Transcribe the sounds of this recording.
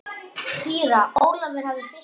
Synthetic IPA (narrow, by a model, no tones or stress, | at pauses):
siːɾaoːwɾlavɪɾ̥havðɪspɪ